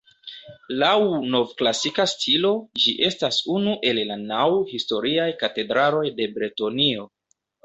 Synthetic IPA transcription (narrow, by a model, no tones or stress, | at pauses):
lawno̞vklasikastʰilo̞d͡ʒiʔe̞stasunuʔe̞llanawhisto̞ɾiajkate̞dɾalo̞jde̞bɾeto̞nio̞